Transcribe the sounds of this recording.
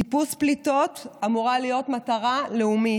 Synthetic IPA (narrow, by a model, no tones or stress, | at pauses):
ipusplito̞tamuʁalijo̞tmataʁaleumi